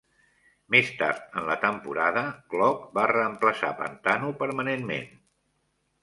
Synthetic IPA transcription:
mest̪a̰ɾt̪ənlət̪əmpuɾaðəklɔk̚barəːmpləsa̰pə̰nt̪anupəɾmənenmḛn

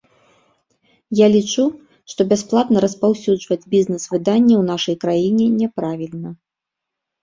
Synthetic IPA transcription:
jalʲit͡ʂu | ʂt̪ɔbʲasplˠat̪nɐɾɐspawsʲud͡ʐvɐd͡zʲbʲiznɛsvɨd̪anʲːɛwn̪aʂɐjkɾajinʲɛnʲɛpɾavʲilʲnɐ

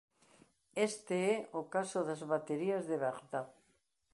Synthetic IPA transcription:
est̪eeokasoðazβat̪eɾiazðeβeɣd̪að

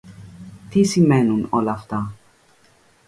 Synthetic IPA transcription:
t̪isimɛnunolɐːft̪ɐ

